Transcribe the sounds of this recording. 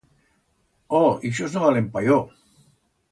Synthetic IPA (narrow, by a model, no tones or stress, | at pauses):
oiʃoznoβalempajo